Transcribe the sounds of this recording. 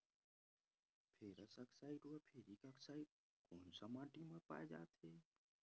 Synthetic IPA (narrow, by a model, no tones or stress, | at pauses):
pʰeːɾəsɐksaːiʈuəpʰeːɾikəksaːiʈ̚ | koːnsamãːʈimə̃pa̰ːed͡ʒa̰ːt̪ɦeː